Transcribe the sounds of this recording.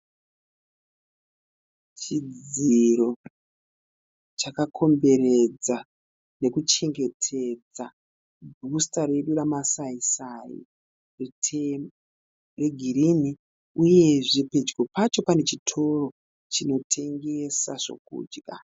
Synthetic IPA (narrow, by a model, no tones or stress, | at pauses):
t͡ʃid͡ziiɾo̞ | t͡ʃakakʰo̞mbe̞ɾed͡za | ne̞kut͡ʃe̞ŋɡe̞tʰed͡za | bʱustaɾe̞ɗuramasaisarḭ | retʰe | re̞ɡʱirimi | uje̞ʐiped͡ʒɡo̞pat͡ʃo̞pane̞t͡ʃitʰo̞ro̞ | t͡ʃino̞tʰe̞ŋɡe̞saʐo̞̰k̚ṵːd͡ʒɡa̰